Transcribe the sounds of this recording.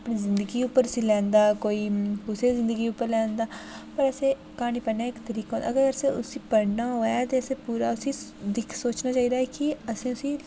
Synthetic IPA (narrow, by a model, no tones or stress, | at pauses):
ɐpnizɪ̃nd̪əɡiupːəɾsĩlɛ̃ːnd̪aːkoːiːkʊsezɪ̃nd̪əɡiuːpːəɾlɛ̃ːnd̪aːpɐɾəsẽ | kaːñiːpəɽnaekt̪ɐɾiːkaɦõnaɐɡəɾɡəɾseʊ̰sipɐɽnaɦoːjat̪eɐsepuːɾaʊsid̪ɪkʰsoːt͡ʃnaːt͡ʃaːiːd̪aːɦɛkiəsẽʊsi